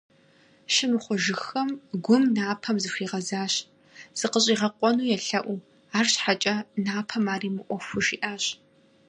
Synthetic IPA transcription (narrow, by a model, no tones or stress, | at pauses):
ʃɪmɨχʷʊʒɪxɐmɡʷʊmnaːpʰɐmzɨɕʷiːʁɐzaːɕ | z̥ɨqəɕʼiːʁɐqʷʼɔnuːjɛɬɐʔʷuː | aːrɕħat͡ʃʼɐnaːpʰɐmaːriːmɨʔʷɔfʊʃiːʔaːɕ